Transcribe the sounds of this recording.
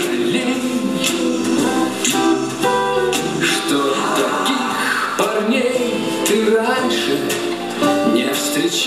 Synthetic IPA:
lʲi | j | ʂt̪o | t̪ɐkʲi | x | pɐrnʲejj | t̪ɨranʲʂɨ | nʲɪfst̪ɾʲɪt͡ɕ

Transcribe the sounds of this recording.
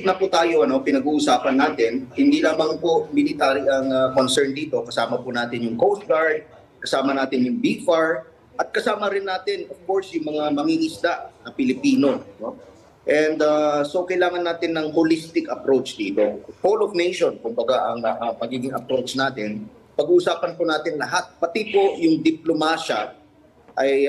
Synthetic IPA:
nɐput̪aːjo̞ʔɐno̞pɪnɐɡuːʔʊsaːpɐnːaːt̪ɪnhɪnd̪iːlaːmɐŋpomɪlɪt̪aːɾiʔɐŋɐkonsɛɹnd̪iːt̪o̞kɐsaːmɐpunaːt̪ɪnjʊŋkowst̪̚ɡaɹd̪̚ | kɐsaːmɐnaːt̪ɪnjʊŋbifaɹ | ʔɐt̪̚kɐsaːmɐɾɪnːaːt̪ɪnʔofkoɹsjʊŋmɐŋamɐŋiʔɪslaʔnɐpɪlɪpiːno̞no̞ | ʔɛnd̪aso̞kɐʔɪlaːŋɐnːaːt̪ɪnːɐŋholist̪ɪkɐpɾowt͡ʃd̪iːt̪o̞polovnejʃonkʊmbɐɡaʔɐŋʔɐmɐɡiːɡɪŋɐpɾowt͡ʃnaːt̪ɪn | pɐɡuːʔʊsaːpɐnpʊnaːt̪ɪnlɐɦat̪̚pɐt̪ɪpo̞jʊŋd̪ɪplomaːʃɐ | ʔɐj

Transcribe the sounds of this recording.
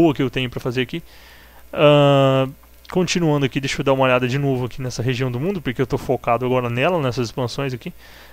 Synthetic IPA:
oɐkɪewt̪ẽɲʊpɾɐfazeɾaki | ɐ̃ | kõt͡ʃĩnuɐ̃nd̪ʊakid̪ejʃod̪aumɐoʎad̪ɐd͡ʒɪnovʊakinɛsɐɦeʒiɐ̃w̃d̪ʊmũnd̪ʊpoɾkeewt̪ofokad̪ʊaɡɔɾɐnɛlɐnɛsɐzɪspɐ̃sõj̃zaki

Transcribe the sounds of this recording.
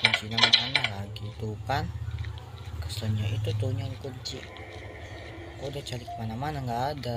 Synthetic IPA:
kunt͡ʃinamananaakit̪ukan | kasaɲaʔit̪ut̪uɲalikuɲt͡ʃiʔ | kodat͡ʃalikəmanamanaŋɡaːda

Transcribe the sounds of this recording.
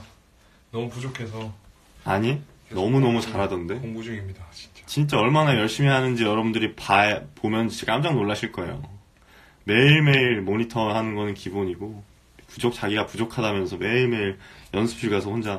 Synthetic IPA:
nʌmupud͡ʑokʰesʰʌ | aɲi | nʌmunʌmut͡ɕaɾɦadʌnde̞oŋɡud͡ʑoɡimɲidat͡ɕi̥t͡ɕt͡ɕint͡ɕ͈aʌɭmanajʌɭɕ͈imiɦanɯnd͡ʑijʌɾʌbundɯɾipapomjʌnt͡ɕekaamd͡ʑaŋnoɭːaɕʰiɭk͈ʌe̞jo̰ | me̞iɭme̞iɾmoɲitʰʌɯɭhanɯnɡʌnɯnkiboɲiɡo | pud͡ʑok̚t͡ɕ͈aɡiɡapud͡ʑokʰadamjʌnsʰʌme̞iɭme̞iɾjʌnsʰɯ̥pʰiɭɡasʰʌhond͡ʑa

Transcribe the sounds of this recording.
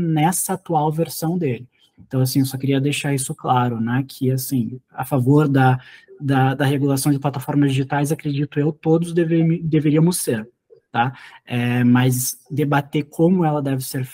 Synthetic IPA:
nɛsɐat̪uawveɾsɐ̃w̃d̪elɪ | ẽnt̪ɐ̃w̃as̬ĩewsɔkɪɾiɐd̪ejʃaɾisʊklaɾʊnɛkʰɪasĩa̰favoɾd̪ɐd̪ɐd̪ɐheɡulasɐ̃w̃d͡ʒɪplat̪afɔɾmɐzd͡ʒiʒit̪ajzakɾed͡ʒit̪ʊewt̪od̪ʊzd̪eved̪eveɾiɐmʊseɾ | t̪aɛmɐzd̪ebat̪ekʰõmʊɛlɐd̪ɛvɪseɾf

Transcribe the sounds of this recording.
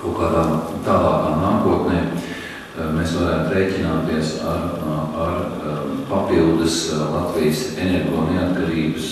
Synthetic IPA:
kawkaːd̪aːmt̪aːlˠɑːkaːmnaːkuɔt̪nɛː | meːsʋaɾaːjat̪ɾeːcʲinaːt̪iɛsaaɾpapilˠd̪əslˠat̪vijəsenɛɾɡoːneat̪kaɾiːbəs

